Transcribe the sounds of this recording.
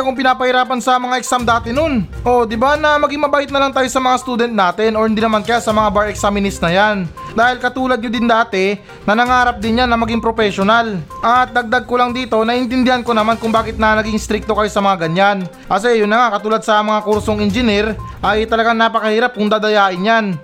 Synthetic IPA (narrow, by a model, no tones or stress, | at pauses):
kʊŋpɪnaːpɐhɪɾaːpɐnsɐmɐŋaʔɛksamd̪aːt̪ɛnon | ʔo̞d̪ɪbanɐmɐɡiŋmɐbaːʔɪt̪̚nɐlaŋt̪aːjo̞sɐmɐŋast̪uːd̪ɛnt̪̚naːt̪ɛno̞hɪnd̪inɐmankɐjasɐmɐŋabaɹɛksamɪnɪsnɐjand̪aːhɪlkɐt̪uːlɐd̪̚ɲod̪ɪnd̪aːt̪ɛ | nɐnɐŋaːɾɐp̚d̪ɪnjanɐmɐɡiŋpɾopɛʃonalʔɐt̪̚d̪ɐɡ̚d̪aɡ̚kolaŋd̪iːt̪o̞nɐʔɪnt̪ɪnd̪ɪhɐnkonɐmankʊŋbaːkɪt̪̚nɐnɐɡiŋst̪ɾɪk̚t̪okɐjo̞sɐmɐŋaɡɐɲan | kɐs̬ɛjʊnːɐŋakɐt̪uːlɐd̪̚sɐmɐŋakuɾsoŋɪnd͡ʒɪniɾ | ʔɐjt̪ɐlɐɡaŋnaːpɐkɐhiːɾap̚kʊŋd̪aːd̪ɐjaːʔɪnjan